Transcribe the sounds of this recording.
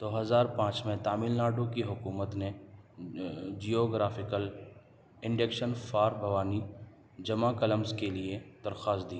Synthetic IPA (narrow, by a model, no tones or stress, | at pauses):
d̪̥oːɦɐzaːɾpãːt͡ʃmẽt̪aːmɪlnaːɖõkiɦʊkuːmət̪ne | d͡ʒijoːɡɾaːfɪkəl | ɪ̃ɳɖekʃənfaːɾbʱɐʋaːni | d͡ʒɐmãkɐləmzkelied̪̥ɐɾxaːsd̪iː